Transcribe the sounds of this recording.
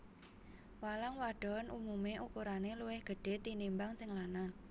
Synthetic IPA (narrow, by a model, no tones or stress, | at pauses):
walaŋwaɖ̥ɔ̤nʔumumeʔukuɾaneluwɪhɡ̥ə̤ɖ̥e̤t̪inimbaŋsɪŋlana